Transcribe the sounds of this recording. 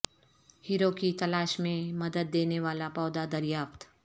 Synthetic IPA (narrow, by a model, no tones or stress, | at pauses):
hiːɾokit̪ɐlaːʃmẽmɐd̪əd̪̚ːeːneʋaːlapɔːd̪ad̪ɐɾjaːft̪